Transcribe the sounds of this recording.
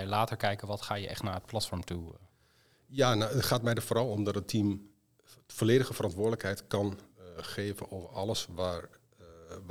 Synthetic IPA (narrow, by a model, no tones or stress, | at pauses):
ɛjlaːtəɹkɛjkənʋɑtχaːjəʔɛ̰χtnaːɹət̚plɑtfɔɹmtu | janaətχaːt̚mɛjdəfoːɾɑlˠɔmdɑtətʰim | foleːdəɣəfərɑntʋʊːɹdələkɦɛjtkɑnχeːvənoːvəɹɑlˠəsʋaːɹ